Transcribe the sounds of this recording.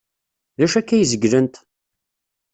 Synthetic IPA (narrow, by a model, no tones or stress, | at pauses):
ðæʃækːæjəzəɡlənt̪